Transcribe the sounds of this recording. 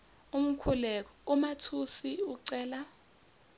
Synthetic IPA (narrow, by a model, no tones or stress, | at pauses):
um̩kʰulɛk̬ɔumatʰusiuǀɛːla